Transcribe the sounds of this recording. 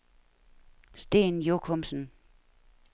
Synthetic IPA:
sd̥e̝̰ːnjokʰɔmsən̩

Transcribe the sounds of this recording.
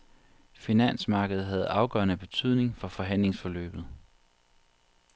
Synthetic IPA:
finæn̰smɑ̈ːɡ̥əð̩ˠɦæð̞̩ˠɑ̈ʊɡ̥œːɐnəb̥e̝t͡sʰyð̞̰ˠne̝ŋfɒ̽fɒ̽ɦæn̰le̝ŋsfɒ̽lø̰ːb̥ð̩ˠ

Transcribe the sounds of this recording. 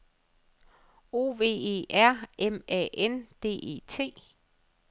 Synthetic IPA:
o̝̰ːʋe̝̰ːe̝̰ːʔæɐ̰emɛ̰end̥e̝̰ːe̝̰ːt͡sʰe̝̰ː

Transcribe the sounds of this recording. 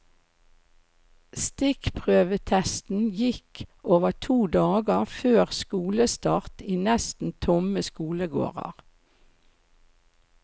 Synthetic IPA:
st̪ɪkpʰʁøːʋət̪ʰɛst̪n̩jɪkoːʋət̪ʰuːd̪ɑːɡəʁføːʁskuːləst̪ɑːʁt̪iːnɛst̪n̩t̪ʰʊməskuːləɡo̰ːʁɑ̰ʁ

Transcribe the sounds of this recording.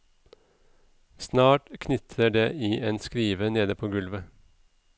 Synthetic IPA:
snɑːʈkʰnʏt̪ʰəɖeːʔiːʔeːnskɾiːʋəneːd̪əpʰoːɡʉlʋə

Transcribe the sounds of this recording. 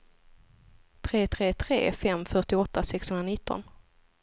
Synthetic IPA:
t̪ʰɾeːt̪ʰɾeːt̪ʰɾḛːfɛmfœʈɪɔt̪ʰːasɛkshɵnɾanɪt̪ːɔ̰n

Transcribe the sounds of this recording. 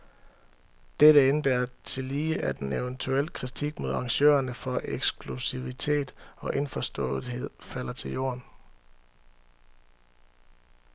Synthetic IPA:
d̥eɾəenb̥eɐt͡sʰe̝liːʔæd̥eneʊənt͡sʰuel̰əkʰʁit͡sʰiɡ̥̚mo̝ðˠɑ̈ŋɕø̰ːɐnəfɒ̽ʔeɡ̥sɡ̥ʰlusiʋit͡sʰe̝̰ːd̥ɒ̽ʔe̝nfɒsd̥ɔ̰̽ːð̩ˠɦe̝ð̞̰ˠfæl̰ɐt͡sʰe̝ljo̝̰ːɐn

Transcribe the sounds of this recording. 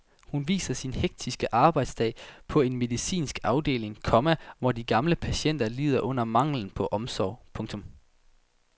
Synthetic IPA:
hunʋḭːsɐsinheɡ̥̚d̥ʰisɡ̥əʔɑ̈ːb̥ɑ̈ɪd̥sd̥ɛ̰ːɪpʰɒ̽e̝nme̝ðˠisḭːnsɡ̥ɑ̈ʊd̥e̝̰ːle̝ŋkʰɒ̽mæʋɒdiɡ̥ɑ̈mləpʰæɕen̰d̥ɐlḭːð̞ˠɐʔɔ̽n̰ɐmɑ̈ŋ̰ln̩pʰɒ̽ʔɒ̽msɒʊ̰pʰɔ̽ŋt͡sʰɔ̽m

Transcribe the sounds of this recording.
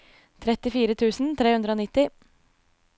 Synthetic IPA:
t̪ʰɾɛt̪ɪfiːɾət̪ʰʉːsn̩t̪ʰɾeːʉnd̪ɾəoːnɪt̪ːɪ

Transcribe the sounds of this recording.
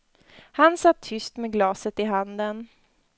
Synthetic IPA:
hansat̪ʰːʏst̪meɡlɑːsət̪ɪɦand̪ən

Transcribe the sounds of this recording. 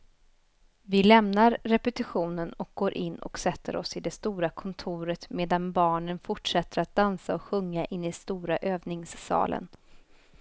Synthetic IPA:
vɪlɛmnaɾːɛpət̪ɪɧuːnənɔk̚ɡ̥oːɾʔɪnːɔ̰ksɛt̪ʰːə̰ɾɔsɪd̪ɛst̪uːɾakʰɔnt̪ʰuːɾət̪meːd̪anbɑːɳənfʊʈʂɛt̪ːəɾat̪̚d̪ansaɔkɧɵŋːaʔɪnːɪst̪uːɾaʔøːvnɪŋsːɑ̰ːlə̰n

